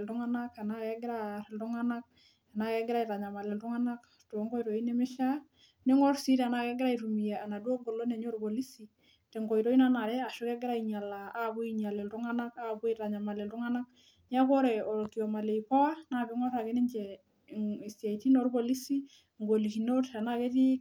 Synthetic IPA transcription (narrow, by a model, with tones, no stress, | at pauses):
ltu˦ŋa˦na˦ka˨na˨ke˦ɡɪ˦ɾa˦ɾɪ˨ltu˦ŋa˦na˦k̚ | a˨na˦kɛ˦ɡɪɾa˦i˨ɾa˨ɲa˨ma˨lɛ˨ltʊ˦ŋa˦na˦k | to˨˦ŋɡo˦i˦ɾo˨i˦ne˦mɪ˦ʃa˦ | ne˦ŋɔ˦ɾsi˦ɾa˨na˨kɛ˦ɡɪ˦ɾa˦i˨ɾu˨mi˨ja˨a˨na˨dwo˦ɡo˨lo˦ne˨ɲo˦ɾbo˨li˦si˨ | tɛ˨ŋɡo˨i˨ɾo˦i˦na˦na˨ɾɛ˦a˨ʃu˦kɛ˦ɡɪ˦ɾa˦iɲa˨laː˨˦bu˦i˦ɲa˨le˨ltu˦ŋa˦na˦ka˦bwi˦ɾa˨ɲa˨ma˨le˨ltʊ˦ŋa˦na˦k̚ | ɲa˦ko˦ɾɛ˨o˨lki˨ɔ˨ma˨le˨ipɔ˦wa˦na˨bɪ˦ŋɔ˦ɾa˨ke˦nɪ˦ɲd͡ʒɛ˨ | i˨si˨a˨i˨ti˦no˦˨ɾbo˨li˦si˦ | ŋɡo˨li˨ki˨no˦ta˨na˦ke˦ti˦